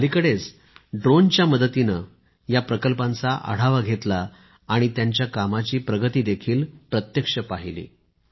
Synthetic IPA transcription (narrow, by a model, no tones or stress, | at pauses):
əlikəɽet͡s | ɖɾont͡ɕjaməd̪ət̪inə | japɾəkəlpãnt͡saʔə̰ɽ̤aʋaɡʱet̪laː | ɽ̃it̪jaɲt͡ɕjakamat͡ɕiːpɾəɡət̪iːd̪ekʰiːlpɾət̪jəkʂəpaɦilḭː